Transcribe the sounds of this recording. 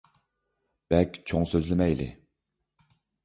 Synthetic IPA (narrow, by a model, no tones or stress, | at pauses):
b̥ɛlkʲt͡ʃʰoŋsøzlɪmɛjlɪ̰